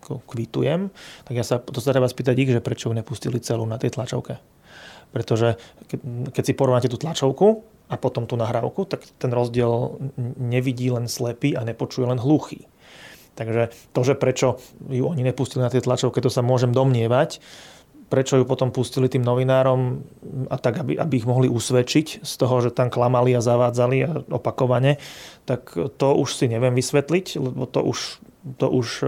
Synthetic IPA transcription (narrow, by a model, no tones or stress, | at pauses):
kɔkʋit̪ṵjɛmt̪aɡjaːsat̪ɔs̬at̪ɾɛbaspiːt̪̬aɟiɣʒɛpɾɛt͡ʃɔjuɲɛpuscilit͡sɛlunat̪ɛjt̪lat͡ʃɔ̰ʊkɛ | pɾɛt̪ɔʒɛkkɛcsipɔɾɔʋnacɛt̪uːt̪lat͡ʃɔʊku | apɔt̪ɔmt̪uːnaɦɾaʊkut̪akt̪ɛnɾɔzɟɪɛlɲɛʋiɟiːlɛnslɛpiːaɲɛpɔt͡ʃujɛlɛnɦluxḭː | t̪aɡʒɛt̪ɔʒɛpɾɛt͡ʃɔjuɔɲiɲɛpuscilinat̪iɛt̪lat͡ʃɔʊkɛc̚t̪ɔsamʊɔʒɛmd̪ɔmɲɪɛʋac | pɾɛt͡ʃɔjupɔt̪ɔmpuscilit̪iːmnɔʋinaːɾɔmat̪aɡabiʔa̰biːɣmɔɦliʔusʋɛt͡ʃicst̪ɔɦɔʒɛt̪amklamaliazaʋaːd͡zaliaɔpakɔʋaɲɛt̪akt̪ɔuʃsiɲɛʋɪɛmʋisʋɛt̪liclɛbɔt̪ɔ̰ʔuʃt̪ɔʔuʃ